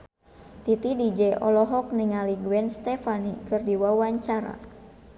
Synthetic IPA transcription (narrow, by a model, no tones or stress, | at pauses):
t̪it̪idid͡ʒɛʔɔlɔɦɔk̚niŋaliɡuɛnst̪ɛfanikɨrdiwawaɲt͡ʃaɾa̰